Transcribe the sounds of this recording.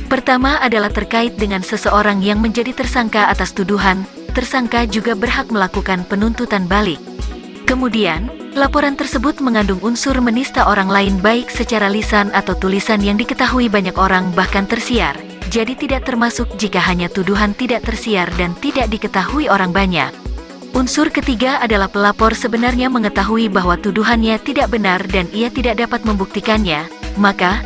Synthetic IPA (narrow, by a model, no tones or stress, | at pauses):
pərt̪amaːdalaht̪ərkaɪt̪̚dəŋansəsəʔoɾaŋjaŋməɲd͡ʒadit̪ərsaŋkaːt̪ast̪uduɦan | t̪ərsaŋkad͡ʒuɡabərɦak̚məlakukanpənunt̪ut̪anbalɪk̚ | kəmudian | lapoɾant̪ərsəbʊt̪̚məŋandʊŋunsʊrmənist̪aʔoɾaŋlaɪnbaɪksət͡ʃaɾalisanat̪awt̪ulisanjaŋdikət̪aɦuibaɲakoɾaŋbahkant̪ərsiar | d͡ʒadit̪idaʔ̚t̪ərmasʊk̚d͡ʒikaɦaɲat̪uduɦant̪idaʔt̪ərsiardant̪idaʔ̚dikət̪aɦuioɾaŋbaɲa̰k̚ | ʔunsʊrkət̪iɡaadalahpəlapɔrsəbənarɲaməŋət̪aɦuibaɦwat̪uduɦanɲat̪idaʔ̚bənardanijat̪idaʔ̚dapat̪̚məmbuk̚t̪ikanɲamaka